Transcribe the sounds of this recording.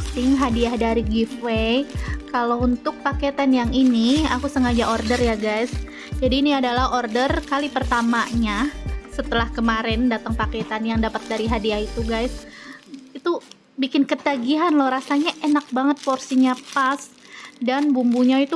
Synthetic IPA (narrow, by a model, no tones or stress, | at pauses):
t̪ɪŋɦadiahdaɾiɡifwekalaunt̪ʊk̚paket̪anjaŋiniakusəŋad͡ʒaʔordərjaɡajs | d͡ʒadiːniadalahordərkalipərt̪amaɲasət̪əlahkəmaɾɛndat̪əŋpaket̪anjaŋdapat̪̚daɾiɦadiahit̪uɡajs | it̪u | bikɪnkət̪aɡiɦanlɔhɾasaɲaʔenak̚baŋət̪̚porsiɲapasdanbumbuɲait̪u